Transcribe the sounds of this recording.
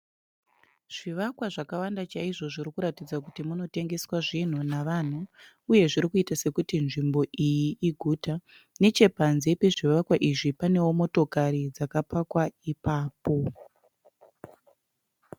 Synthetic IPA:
ʐ̥iʋakwaʐakawandat͡ʃaiʐo̞ʐirikuɾatid͡zakutimuno̞te̞ŋɡe̞swaʐin̤unaʋan̤u | uje̞ʐiɾikuitase̞kutinʐimbo̞ʔijiʔːɡʱuːta | ne̞t͡ʃe̞panzepe̞ʐiʋakwaʔiʐipane̞womo̞to̞kaɾid͡zakapakwaipaːpo̞

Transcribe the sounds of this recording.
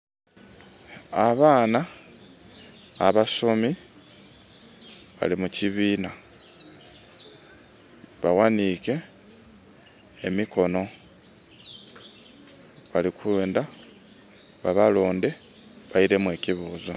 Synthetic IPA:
aβaːna | βasomi | βa̰limuciβiːna | βawanike̞ | miko̞no̞ | βalikeːnda | βaβalo̞ːnde̞ | βaiɾe̞mwe̞ːciβuːza

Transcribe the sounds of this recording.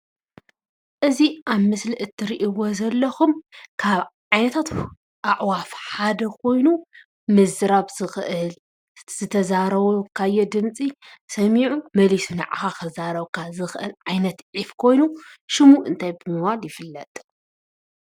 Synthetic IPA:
ʔɨziʔaβmɨsliʔɨt̪ʰːɨɾiʔiwozɐlːɐxumkʰaβʕajnɐt̪ʰat̪ | ʔaʕwafħad̪ɐkʰo̞jnu | mɨzɨɾaβzɨxl | z̥ɨt̪ʰɐzaɾɐβokʰajːɛd̪ɨnt͡sʼi | sɐmiʕumɐlisunɐʕa̰xaxɐzaɾɐβkʰazɨxʔɨ̰lʕajnɐt̪ʕifkʰo̞jnuʃɪmuɨnt̪ʰajbɨmɨbaljɪfɨlːɐt̪ʼ

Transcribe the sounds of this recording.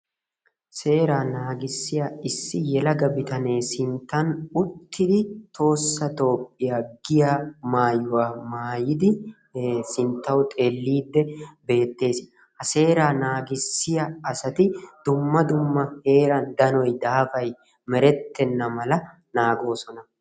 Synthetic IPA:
se̞ːɾaːnaːɡɪsːɪjaɪsːɪjɛlɐɡɐbɪt̪ɐne̞ːsɪnt̪ːɐnʊt̪ːɪd̪ɪt̪ʰo̞ːsːɐt̪o̞ːpʼːɪjaːɡɪjaːmaːjʊwaːmaːjɪd̪ɪ | sɪnt̪ːɐwt̪ʼeːlːiːd̪ːɛbe̞ːt̪ːe̞ːsɪ | hɐse̞ːɾaːnaːɡɪsːɪjɐɐsɐt̪ɪd̪̥ʊmːɐd̪ʊmːɐhe̞ːɾɐnd̪ɐnɔjd̪aːfɐj | mɛɾɛt̪ːɛnːɐmɐlɐ | naːɡo̞ːsɔnɐ

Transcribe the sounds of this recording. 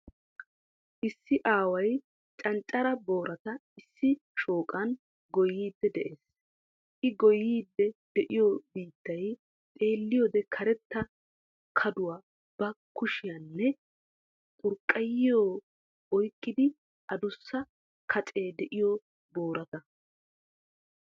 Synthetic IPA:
ʔɪsːɪʔaːwɐj | t͡ʃʼɐnt͡ʃʼɐɾɐbo̞ːɾɐt̪ɐɪsːɪ | ʃoːkʼɐn | ɡɔjːiːd̪ːɛd̪ɛʔeːs | ʔɪɡɔjiːd̪ːɛd̪̥ɛʔɪjobiːt̪ːɐj | t̪ʼe̞ːlːɪjod̪ɛkʰɐɾɛt̪ːɐ | kʰɐd̪ʊwaː | b̥ɐkʊʃɪjɐnːɛ | t̪ʼʊɾkʼːɐjɪjoː | ɔjkʼːɪd̪ɪ | ʔɐd̪ʊsːɐ | kʰɐt͡ʃʼeːd̪ɛʔɪjo | bo̞ːɾɐt̪ɐ

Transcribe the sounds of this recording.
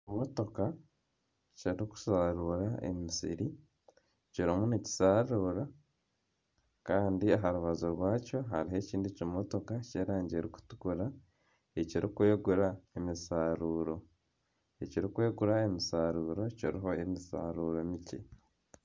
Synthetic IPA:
moto̞ka | ciɾiku̥saɾuɾaʔḛmisḭɾi | ciɾimuneci̥saɾuːɾa | kaːndiaɦaɾuβazoɾwaːco̞ɦaɾiɦe̞ːciːndicimo̞to̞kaceːɾaːɲɟeɾiku̥tu̥kuɾa | eciɾikwe̞ːɡuɾaemisaːɾuːɾo̞ | eciɾikwe̞ːɡuɾaemisaɾuːɾo̞ciɾiɦo̞emisa̰ːɾuːɾomicḛ

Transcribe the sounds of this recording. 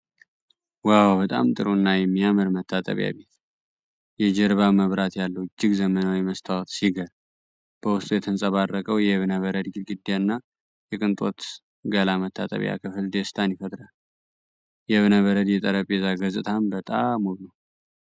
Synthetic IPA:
wawbət̪ʼa̰mt̪ʼɨɾunːajɛmːijamɨɾmət̪ʰːat̪ʼə̰βja̰βe̞t̪ | jɛd͡ʒɛɾβaməβɾat̪jalːəwɨd͡ʒːɪɡzəmənawiməst̪ʰawɔt̪siɡəɾ | b̥əwʊst̪ʼujɛt̪ʰɨnsʼəβarːəkʼəwjɛβnəβəɾəd̪ɡɨlɡɨd̪ːjanːa | jɛkʼɨnt̪ʼo̞̰t̪ | ɡəlamət̪ʰːa̰t̪ʼə̰βja̰kʰɨfɨld̪est̪ʰanifət̪ʼɾal | jɛβɨnəβəɾəd̪jɛt̪ʼəɾəpʼezaɡəzʼɨt̪ʰambət̪ʼamːoɡnəw

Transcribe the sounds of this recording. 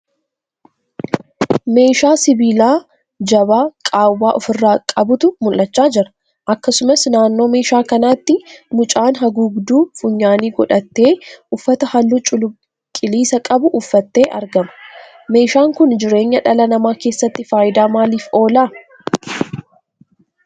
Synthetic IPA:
me̞ːʃaːsɪbiːlaː | d͡ʒɐbaːkʼaːwaːʔɔfɪrːaːkʼɐbʊt̪ʊmʊlʔɐt͡ʃːaːd͡ʒɪɾɐ̥ | ʔɐkːɐsʊmɐsnaːnːo̞ːme̞ːʃaːkɐnaːt̪ːɪmʊt͡ʃʼaːnɦɐɡuɡd̪uːfʊɲːaːniːɡɔᶑɐt̪ːe̞ːʊfːɐt̪ɐhɐlːʊt͡ʃʼʊlʊ | kʼɪliːsɐkʼɐbʊʔːfːɐt̪ːeːʔɐɾɡɐmɐ̥ | me̞ːʃaːŋkʊnd͡ʒɪɾe̞ːɲːɐᶑɐlɐnɐmaːke̞ːsːɐt̪ːɪfaːjɪd̪aːmaːliːfo̞ːlaː

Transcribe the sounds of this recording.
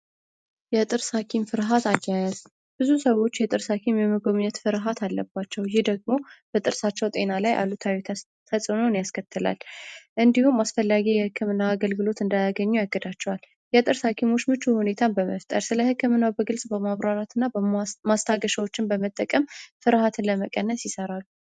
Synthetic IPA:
jɛt̪ʼɨɾshakʰimfɨɾɦat̪ajːajɛz | b̥ɨzusəwo̞t͡ʃːjɛt̪ʼɨɾsakʰimjɛməɡo̞mɨɲːɛt̪fɨɾɦat̪ʰalːəbːat͡ʃːɛwjɪhd̪əɡ̚mo̞b̥ət̪ʼɨɾsat͡ʃːɛwt̪ʼe̞nalajʔa̰lut̪ʰawit̪ʰ | t̪ʰəsʼɨnonjaskʰət̪ʰːɨla̰lʔɨnd̪ihumasfəlːaɡijɛhɨkʰːɨmɨnːaːɡəlɡɨlo̞t̪ɨnd̪ajaɡəɲːujaɡːəd̪at͡ʃːɛwal | jɛt̪ʼɨɾsakʰimo̞t͡ʃːmɨt͡ʃːuhune̞t̪ʰanbəməft̪ʼə̰ɾsɨləhɨkːɨmɨnːabəɡɨlsʼbəmaβɾaɾat̪ʰɨnːamast̪ʰaɡəʃəwo̞t͡ʃːɪnbəmət̪ʼːəkʼəmfɨɾhat̪ʰɨnləməkʼənːəsjɪsəɾalːu

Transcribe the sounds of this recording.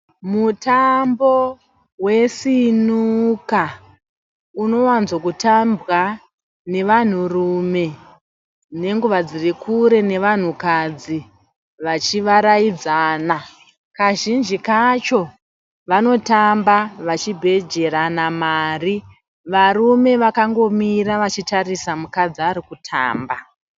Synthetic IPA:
mutambo̞ | we̞sinuka | uno̞wanzokutambwa | ne̞ʋan̤urume̞ | ne̞ŋɡuʋad͡zirikuɾe̞ne̞ʋan̤ukad͡zi | ʋat͡ʃiʋaɾaid͡zaːna | kaʒind͡ʒikat͡ʃo̞ | ʋano̞tambaʋat͡ʃibʱe̞d͡ʒe̞ɾanamaːri | ʋarume̞ʋakaŋɡo̞miɾaʋat͡ʃitarisamukad͡ziaɾikutʰa̰ːmba

